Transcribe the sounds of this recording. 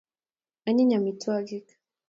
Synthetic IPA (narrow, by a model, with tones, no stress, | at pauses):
a˨ɲi˦ɲa˨mi˨tu˦a˦ɡi˦kḁ